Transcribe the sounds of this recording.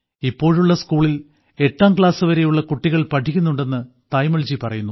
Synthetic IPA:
ipːo̞ːɻuɭːɐskuːɭil | e̞ʈːaːmkɭaːsɨʋɐɾe̞juɭːɐkuʈːiɣɐɭpɐʈʰikʲːunːuɳɖe̞nːɨ | t̪ɐjmɐɭd͡ʑipɐrɐjunːu

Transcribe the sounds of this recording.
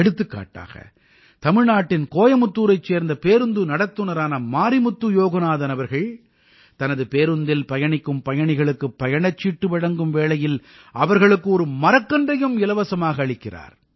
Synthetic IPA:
ɛɽɯt̪ːɯkːa̰ːʈːa̰ːɣɐ̰ | t̪ɐmɪɻnaːʈːɪnkoːjɐmɯt̪ːuːɾɐɪt͡ʃːeːɾnd̪ɐpeːɾɯnd̪ɯnɐɽɐt̪ːɯnɐɾaːnɐmaːɾimʊt̪ːɯjoːɣɐnaːðɐnɐʋɐɾɣɐɭ | t̪ɐnɐðɯpeːɾɯnd̪ɪlpɐjɐɳɪkːɯmpɐjɐɳɪɣɐɭɯkːɯpːɐjɐɳɐt͡ʃːiːʈːɯʋɐɽɐŋɡɯmʋeːɭɐjɪl | ʔɐʋɐɾɣɐɭɯkːɯɔɾɯmɐɾɐkːɐndrɐjɯmɪlɐʋɐsɐmaːɣɐːɭɪkːɪra̰ːɾ

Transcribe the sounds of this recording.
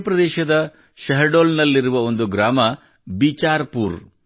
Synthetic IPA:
pɾɐd̪ɛːʃɐd̪ɐ | ʃɐɦɐɾɖoːlnɐlːiɾuʋɐo̞nd̪uɡɾaːmɐ | bit͡ʃaːɾpuːɾ

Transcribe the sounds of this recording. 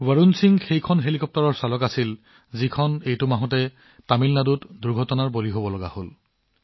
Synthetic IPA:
waɹunsiŋxejkʰɔnɦelikɔp̚tɔɹɔɹsalɔkasil | zikʰɔnejtʊmaɦɔ̃tɛ | pamilnadutduɹɡʱɔtɔnaɹboliɦobɔlɔɡa̰hol

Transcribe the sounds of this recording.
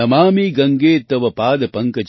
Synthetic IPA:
ɐmaːmiːɡɐŋɡeːt̪ɐʋɐpaːd̪ɐpɐŋkɐt͡ʃ

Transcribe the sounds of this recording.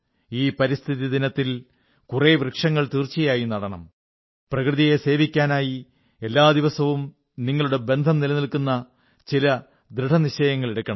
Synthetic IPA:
iːpɐɾist̪ʰiðid̪inɐt̪ːil | kureːʋrɨkʂɐŋːɐɭt̪iːrt͡ɕːijaːjinɐɽɐɳɐm | prɐkrɨðije̞se̞ːʋikʲːaːnaːji | e̞lːaːd̪iʋɐsɐʋum | niŋːɐɭuɽe̞be̞nd̪ʱɐmnilɐnilkunːɐ | t͡ɕilɐ | d̪ɾiʈʰɐniɕɐjɐŋːɐɭeɽukʲːɐɳɐm

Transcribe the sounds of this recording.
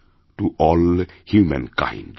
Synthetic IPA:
tuʔɔl | hjumə̰̃nkã̰ɪ̃nd

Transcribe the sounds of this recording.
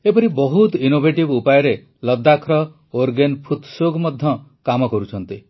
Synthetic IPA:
epɔɾibɔɦut̪inobʱeʈibupajɔɾe | lɔd̪ːakʰɾɔ | oɾɡenpʰut̪soɡʱmɔd̪ʱjɔkamɔkɔɾut͡ʃʰɔnt̪i

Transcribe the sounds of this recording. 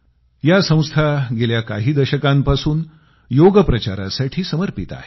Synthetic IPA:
jasə̃w̃st̪ʰaɡeljakaɦiːd̪əɕəkampasuːn | joɡəpɾət͡ɕaɾa̰saʈʰiːsəməɾpit̪a̰ɦe

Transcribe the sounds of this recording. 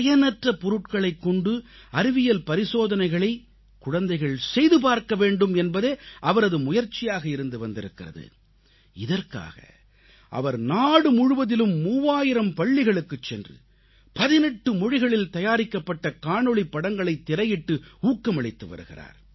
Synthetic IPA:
ɐjɐnɐʈrɐpɔɾɯʈ̚kɐɭɐɪkːɔɳɖɯɐɾɪʋɪjɐlpɐɾɪsoːðɐnɐɪɣɐɭɐɪ | kʊɻɐnd̪ɐɪɣɐɭsɛjðɯp̬aːɾkɐʋeːɳɖɯmɛnbɐðeːʔɐʋɐɾɐðɯmʊjɐɾt͡ʃːɪjaːɣɐɪɾɯnd̪ɯʋɐnd̪ɪɾɯkːɪrɐ̰ðɯ̰ | ɪðɐrka̰ːɣɐ̰ | ʔɐ̰ʋɐɾnaːɽɯmʊɻʊʋɐðɪlɯmːuːʋaːjɪɾɐmpɐɭːɪɣɐɭɯkːɯt͡ʃːɛndrɯ̰ | pɐðɪnɛʈːɯmɔɻɪɣɐɭɪlt̪ɐjaːɾɪkːɐpːɐʈːɐkaːɳɔɭipːɐɽɐŋɡɐɭɐɪt̪ːɪɾɐjɪʈːɯuːkːɐmɐɭɪt̪ːɯʋɐ̰ɾɯ̰ɣɪ̰ra̰ːɾ

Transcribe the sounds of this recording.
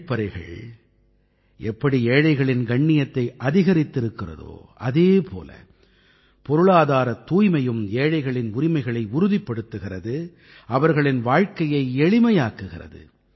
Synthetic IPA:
pːɐɾɐɪɣɐ̰ɭ | ɛpːɐɽieːɻɐɪɣɐɭɪnɡɐɳːɪjɐt̪ːɐɪʔɐðɪɣɐɾɪt̪ːɪɾɯkːɪrɐ̰ðo̰ːʔɐðeːpʰo̰ːlɐ̰ | pɔɾɯɭaːðaːɾɐt̪ːuːjmɐjɯmeːɻɐɪɣɐɭɪnʊɾɪmɐɪɣɐɭɐɪʊɾʊðɪpːɐɽɯt̪ːɯɣɪrɐðɯ | ɐʋɐɾɣɐɭɪnʋaːɻkɐjɐɪɛɻɪmɐjaːkɯɣɪrɐ̰ðɯ̰

